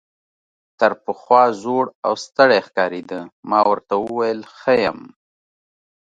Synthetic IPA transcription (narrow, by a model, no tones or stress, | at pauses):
t̪aɾpəxwɑzoɽa̰wst̪əɽexkɑɾed̪əmɑwəɾt̪awəwajəlxəjəm